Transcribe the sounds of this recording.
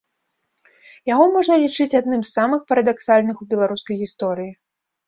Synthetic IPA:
jaɣɔmɔʐnɐlʲit͡ʂɨt͡sʲad̪nɨmzːamɨxpɐɾɐd̪aksalʲnɨxubʲɛlˠaɾuskɐjɣʲist̪ɔɾɨji

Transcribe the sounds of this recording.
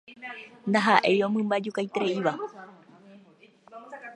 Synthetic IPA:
nd̪aɦaʔe̞jõ̞mɨ̃mbad͡ʒukajt̪ɾe̞iʋa

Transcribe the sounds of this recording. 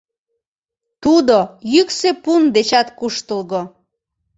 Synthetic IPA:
t̪ud̪ojyksepund̪et͡ɕɑt̪kuʃt̪əlɣo

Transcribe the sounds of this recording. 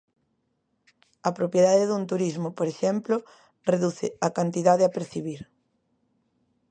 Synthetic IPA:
ɐpɾopjeðaðeðunt̪uɾizmʊpoɾeʃɛmplo | reðuθeɐkant̪iðaðeɪapeɾθiβiɾ

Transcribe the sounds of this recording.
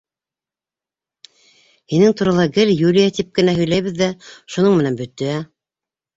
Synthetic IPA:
hinɘŋt̪uɾɑlˠɑɡɘljulʲijat̪ip̚kɘ̆næɦɵ̆jlæjβɘðːæʃunɤɴmɘ̆nænbɵ̆t̪ːɘæ

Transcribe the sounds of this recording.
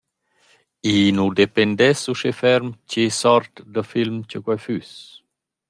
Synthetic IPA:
inud̪epɛnd̪ɛsuʃefɛɾmt͡ʃesɔɾt̪d̪əfilmt͡ʃəkwajfys

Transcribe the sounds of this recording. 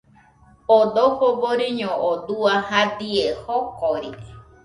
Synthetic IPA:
od̪ohoboɾiɲõʔod̪uahad̪iehokoɾi

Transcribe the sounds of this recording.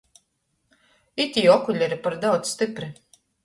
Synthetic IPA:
it̪ʲiːɔkulʲɛɾɪpaɾd̪awt̪sst̪ɨpɾɪ

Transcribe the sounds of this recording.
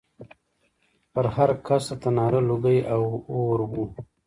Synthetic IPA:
pəɾhaɾkʰasat̪anɑːɾəluɡəjawoɾbu

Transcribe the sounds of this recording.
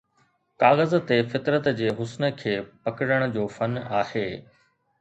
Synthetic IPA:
kaːɣəzt̪efɪt̪ɾət̪d͡ʑeːɦʊsnkʰeːpɐkɪɽəɽ̃̆d͡ʑoːfɐnaːheː

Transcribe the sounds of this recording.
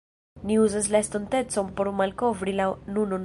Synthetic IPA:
niuzas̬laestonte̞t͡so̞mpo̞ɾmalko̞vɾilanunon

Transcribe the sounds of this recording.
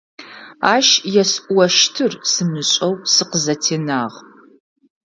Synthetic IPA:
aːʃjɛsʔʷʼwɐʃtʰɨrsɨmnɨɕʼɐwsɨqəzɐtʰeːnaːʁ

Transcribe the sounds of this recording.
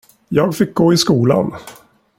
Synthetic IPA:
jɑːɡfɪk̚ɡoːɪskuːla̰n

